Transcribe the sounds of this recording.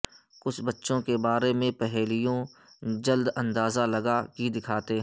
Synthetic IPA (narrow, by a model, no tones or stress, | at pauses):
kʊt͡ʃʰbɐtːʃõkebaːɾemẽpɛɦɛːlijõd͡ʒɐld̪ɐ̃nd̪aːzalɐɡakid̪ɪkʰaːt̪eɦ